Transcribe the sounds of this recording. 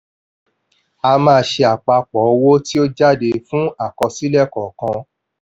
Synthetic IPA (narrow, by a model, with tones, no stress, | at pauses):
a˧mãː˧˦ʃe˧a˨k͡pa˧k͡pɔ˨˦˧wo˦ti˦o˦d͡ʒa˦˨de˧fũ˦a˦˨kɔ̃˧si˦lɛ˦˨kɔ˨kã˧